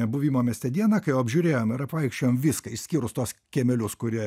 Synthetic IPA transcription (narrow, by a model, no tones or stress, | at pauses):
ɛbʊʋʲimoːmʲɛst̪ʲɛd̪ʲiɛnɐkɐɪjɛʊɐbʲʒʲuɾʲeːjoːmɪɾɐpʋɐɪkʃʲt͡ʃʲoːjoːmʋʲiskɐɪʃsʲkʲiːɾʊst̪uɔskʲɛmʲɛlʲʊskʊɾʲiɛ